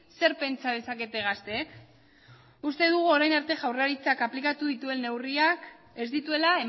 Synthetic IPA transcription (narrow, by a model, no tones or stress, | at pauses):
se̞ɾpe̞nt͡sað̞e̞sake̞t̪e̞ɣ̞ast̪e̞ | ust̪e̞ðuɣ̞uo̞ɾajnaɾt̪e̞ʝawraɾit͡sakaplikat̪uðit̪ue̞nːe̞wriak | e̞zd̪it̪ue̞lae̞